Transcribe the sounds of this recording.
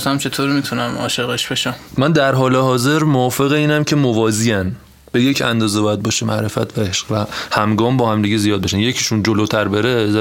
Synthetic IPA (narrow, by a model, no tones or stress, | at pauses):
sæmt͡ʃʰe̞t̪ʰoːɾimit̪ʰunæmɒ̰ːʃeɣeʃb̥eʃæmmænd̪æɾɦɒːle̞ɦɒːze̞ɾmoɒːfe̞ɣeiːnæmcʰe̞movɒːziæn | b̥e̞jecʰænd̪ɒːzebɒːjæd̪̚bɒːʃemæ̰ʔɾe̞fæ̰t̪ʰvæeʃɢ̥væhæmɡɒːmbɒːhæmd̪iɟezijɒːd̪̚beʃænje̞cʰiʃund͡ʒolot̪ʰæɾbeɾez